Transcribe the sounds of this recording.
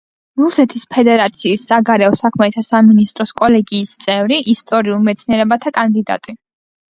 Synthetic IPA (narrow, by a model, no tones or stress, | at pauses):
ɾusɛt̪ʰispʰɛd̪ɛɾat̪sʰiːsːaɡaɾɛɔsakʰmɛt̪ʰasaminist̪ʼɾɔskʼɔlɛɡiːst̪sʼɛvɾiʔist̪ʼɔɾiulˠmɛt̪sʰniɛɾɛbat̪ʰakʼand̪id̪a̰t̪ʼi